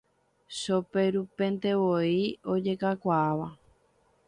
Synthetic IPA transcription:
ʃope̞ɾupẽ̞nt̪e̞ʋoio̞d͡ʒe̞kakʷaaʋa

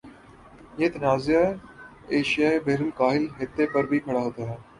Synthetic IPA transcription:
jeːt̪naːzɪjaː | eːʃɪjaːebeːɾəlkaːɦɪlɦɪt̪ːepəɾbʱikʰɐɽaːɦoːt̪aːɦɛː

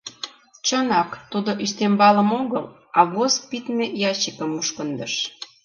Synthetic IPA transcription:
t͡ɕənɑkt̪ud̪oʔiʃt̪embɑlə̆moɣəl | ɑβosk̚pit̪mejɑt͡ɕəkəmuʃkənd̪əʃ

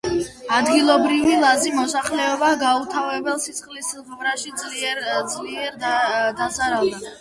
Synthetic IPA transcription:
ad̪ɡilˠɔbɾivilˠazimɔsaχlɛɔbaɡaut̪ʰavɛbɛlˠsit̪sʰχlisilʁɔmɾaʃid̪zʼliɛd̪zʼliɛɾd̪azaɾalˠd̪a

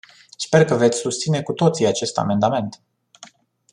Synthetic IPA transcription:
spe̞rkəve̞t̪sʲsust̪sine̞kut̪o̞t̪siat͡ʃe̞st̪a̰me̞nd̪ame̞nt̪

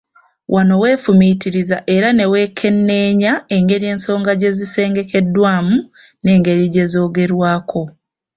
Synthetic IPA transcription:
wʔano̞we̞ːfumitiɾizaʔe̞ɾane̞we̞ːkʰe̞nːe̞ːɲae̞ŋɡe̞ɾie̞ːnso̞ːŋɡaɟe̞zise̞ːŋɡe̞ke̞dwaːmu | ne̞ːŋɡe̞ɾiɟe̞zo̞ːɡe̞ɾwaːkʰo̞

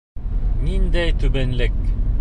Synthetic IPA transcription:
nind̪æjt̪ʉbɘnlɘk

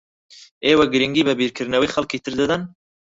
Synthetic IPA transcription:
eːwɐɡɨɾɨŋɡiːbɐbiːɾkʰɨɾnɐwiːxɐlkiːt̪ʰɨɾd̪ɨd̪ɐn

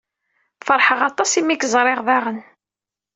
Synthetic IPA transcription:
fəɾˤħəʁɑt̪ˤɑsimikzˤɾˤeʁðɑʁən

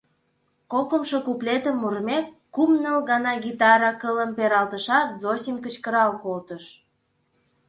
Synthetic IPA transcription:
kokə̆mʃokuplet̪əmːurmʲekːumnəlɣɑnɑɡit̪ɑɾɑkələmpeɾɑlt̪əʃɑt̪zosʲimʲkət͡ɕkəɾɑlkolt̪əʃ

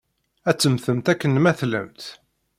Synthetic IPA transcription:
æt͡sːəmθəmt̪ækːənmæθlə̰mt̪

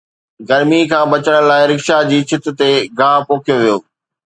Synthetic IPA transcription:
ɡɐɾmikʰãːbɐt͡ɕəɽ̃laːɪɾɪkʃad͡ʑiːt͡ɕʰɪt̪t̪eɡaːpoːkʰijoʋijoː

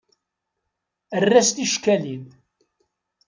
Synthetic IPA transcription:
ərːæst̪iʃkælið

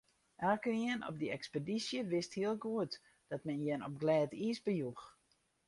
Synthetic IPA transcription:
ʔɛlkəniənɔ̰p̚dəɛkspedisjəʋɪsthiəlˠɡuət | d̥ɔt̚mɛnjɛnɔp̚ɡlɛːtisbəjux

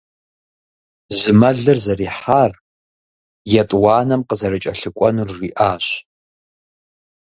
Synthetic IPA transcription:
zɨmɐɮɨrzariːħar | jatʼwaːnɐmqəzɐrɨt͡ʃʼɐɬɨkʷʼɔnurːiʔaːʃ

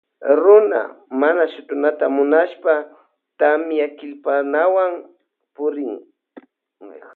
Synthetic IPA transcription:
ɾʊna̰manaʃʊt̪ʊnat̪amʊnaʃpa | t̪amjakɪlpanawaŋ | pʊɾɪŋ

